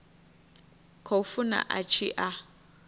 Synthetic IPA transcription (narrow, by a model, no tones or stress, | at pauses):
kʰofuna̰ʔat͡ʃʰiʔa